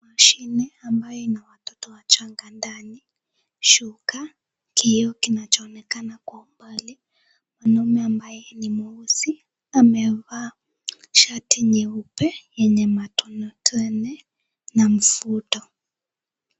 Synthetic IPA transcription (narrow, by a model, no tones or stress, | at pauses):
maʃinɛambajɛnawatɔtɔwat͡ʃaŋɡandani | ʃuka | kʰijɔkinat͡ʃɔːnɛkanakwɔmbali | manɔmɛambajɛnimuusi | amɛβa | ʃatʰiɲɛupɛjɛɲɛmatɔnɔtɛnɛ | nam̩futɔ